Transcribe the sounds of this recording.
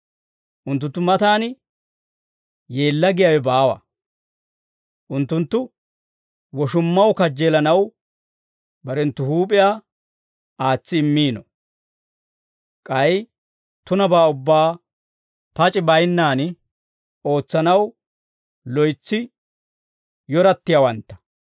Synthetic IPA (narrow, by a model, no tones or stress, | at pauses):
ʔʊnt̪ːʊnt̪ːʊmɐt̪aːn | jeːlːɐɡɪjawɛbaːwɐ̰ | ʔʊnt̪ːʊnt̪ːʊ | wɔʃʊmːɐwkɐd͡ʒːeːlɐnɐw | bɐɾɛnt̪ːʊhuːp̬ʼɪjaː | aːt͡sːɪːmːiːnɔ | kʼɐj | t̪ʊnɐbaːʊbːaː | pɐt͡ʃʼɪbɐjnːaːn | o̞ːt͡sːɐnɐw | lɔjt͡sːɪ | jɔɾɐt̪ːɪjawɐnt̪ːɐ̥